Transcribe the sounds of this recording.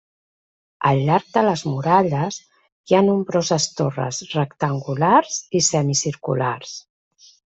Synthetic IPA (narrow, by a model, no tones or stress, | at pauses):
əlːaɾk̚d̪ələzmuɾaʎəs | janumbɾozəst̪orə̰srəkt̪əŋɡulaɾz̥isɛmisiɾkṵlars